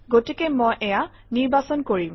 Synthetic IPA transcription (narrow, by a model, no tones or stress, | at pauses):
ɡotikɛmojʔɛja | niɹbasɔnkoɹim